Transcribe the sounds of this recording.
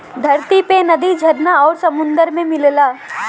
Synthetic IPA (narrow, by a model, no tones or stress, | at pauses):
d̪ʱɐɾt̪ipenɐd̪id͡ʒʱɐɾnaɔːɾsɐmʊ̃nd̪əɾmẽmɪllaː